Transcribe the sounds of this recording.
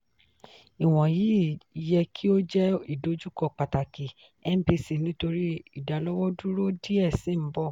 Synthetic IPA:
i˨w̃ɔ̃˨ji˨˦˨jɛ˧kʰi˦o˦d͡ʒɛ˦i˦˨do˨˦d͡ʒu˦kɔ˦˨k͡pa˨ta˨ki˨ | ɛ˦m̩˦bi˧si˨nĩ˨˦to˧ɾi˦i˦˨da˨˦lɔ˦wɔ˦du˦ɾo˦di˦ɛ˦˨sĩ˦m̩˦bɔ˦˨

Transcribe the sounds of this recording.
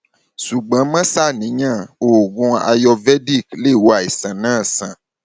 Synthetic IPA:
su˨ɡ͡bã˨˦mã˦sa˦˨nĩ˨˦ɲã˦˨o˨ɡũ˧a̰˨jɔ˧vɛ˦di˦˨kle˦˨wo˨˦a˨i˨sã˨nãː˦˨sã˨

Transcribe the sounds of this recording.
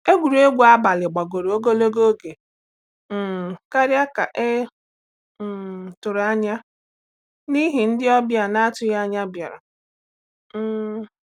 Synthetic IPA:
e˦ɡʷu˨ɾe˦ɡʷu˨˦a˦ba˨lɪ˨ɡ͡ba˨ɡo˨ɾo˦ɡo˦lo˦ɡo˦ɡe˨ | ka˦ɾja˦ka˨ʔe˦˨ | tʊ˨ɾa˦ɲa˦ | ni˦ɦi˨n̩˦dɪ˦ɔ˦bja˨na˦tʊ˨ja˦ɲa˦bja˨ɾa̰˨˦˨

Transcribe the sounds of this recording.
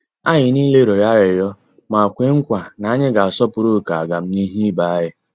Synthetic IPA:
a˦ɲɪ˨ni˦le˦ɾo˨ɾa˦ɾɪ˨ɾjɔ˦ | ma˨kʷe˦ŋ̩˦kʷa˨na˨a˦ɲɪ˦ɡa˨a˨sɔ˦pʊ˨ɾo˦˨ka˨a˨ɡa˨m̩˦ɲi˦ɦi˦ba˨a˦ɦɪ˦

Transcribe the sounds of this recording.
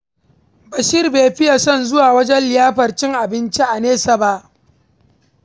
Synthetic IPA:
ba˨ʃiː˦rbeː˨ɸɪ˦ja˨sɔ˦˨nzʊ˦waː˨wɐ˦d͡ʒɛ˦nlɪ˨jaː˦ɸɐ˨rt͡ʃɪ˦ŋʔa˨bɪ˦nt͡ʃi˦ʔa˨neː˦sa˨ba˦ʔ

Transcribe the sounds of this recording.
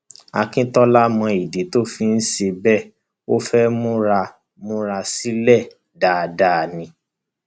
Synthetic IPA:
a˧kĩ˦tɔ˦la˦mɔ̃˧i˨de˨˦to˦fi˧˦n̩˦ʃe˧bɛ˦˨ | o˦fɛ˦mũ˦ɾa˧ | mũ˦ɾa˧si˦lɛ˦˨ | da˨da˨nĩ˧˦

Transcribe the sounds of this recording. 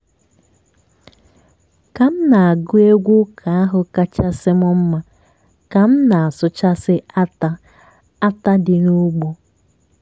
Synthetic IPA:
ka˨m̩˦na˨a˨ɡʊ˦e˦ɡʷu˦kʰa˨a˦ɦʊ˨ka˦t͡ʃa˦sɪ˦mʊ˦m̩˦ma˦ | ka˨m̩˦na˨a˨sʊ˦t͡ʃa˦sɪ˦a˦ta˦ | a˦ta˦dɪ˨nu˦ɡ͡bo˦

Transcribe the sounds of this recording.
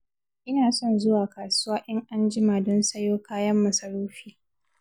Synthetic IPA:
ʔɪ˦naː˨sɔ˦nzʊ˦waː˨ka˨sʊ˦waː˦ʔɛ˦ŋʔa˦nd͡ʒɪ˦maː˨dɔ˦nsɐ˦joː˦kaː˦jɐ˦mːɐ˨sɐ˨ɽoː˦ɸiː˦

